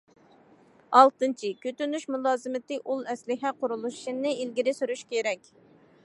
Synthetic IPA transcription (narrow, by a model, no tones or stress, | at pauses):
ɑlˠt̪ɨnt͡ʃʰikʲøt̪ynyʃmulˠɑːzɨmɪt̪ɪʔulˠɛslɪɦɛqʊɾulˠuʃʃinːɨilɡʲiɾɪsyɾyʃkʲeɾɛkʲ